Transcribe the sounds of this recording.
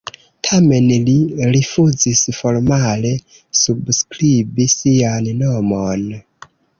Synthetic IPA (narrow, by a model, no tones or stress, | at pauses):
tʰame̞nliɾifuzisfo̞ɾmale̞ | subskɾibisiannomon